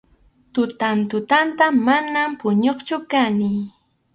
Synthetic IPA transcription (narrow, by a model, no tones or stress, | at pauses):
t̪ʊt̪ant̪ʊt̪ant̪amanampʊɲoχt͡ʃʊkanɪ